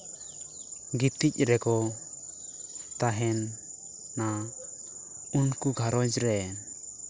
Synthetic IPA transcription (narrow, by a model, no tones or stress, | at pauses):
ɡit̪ic̚ɾɛkɔ | t̪aɦɛnː | a | unkuɡʱaɾɔd͡ʒɾɛ